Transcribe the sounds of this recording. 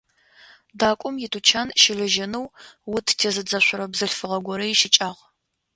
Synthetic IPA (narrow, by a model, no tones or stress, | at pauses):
daːkʷʼʊmjɪtʰut͡ʃʰanʃɪɮɨʒɐnɨwwʊtʰtʰeːzɨd͡zɐɕʷʊɾɐbzɨɬfɨʁɐɡʷɔɾɐjɪʃɪt͡ʃʼaːʁ